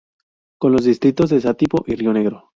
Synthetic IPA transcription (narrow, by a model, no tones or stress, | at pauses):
ko̞nlo̞zðist̪ɾit̪o̞zðes̬at̪ipoʔirjone̞ɣɾo